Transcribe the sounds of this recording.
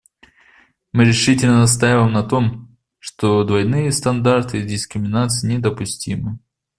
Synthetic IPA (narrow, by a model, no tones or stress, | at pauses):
mɨɾʲɪʂɨtʲɪlʲnənɐs̬t̪ajalʲəmnɐt̪o̞m | ʂt̪od̪vɐjnɨjəst̪ɐnd̪art̪ɨɪzdʲɪskɾʲɪmʲɪnat̪sɨjnʲɪd̪əpʊsʲtʲimɨ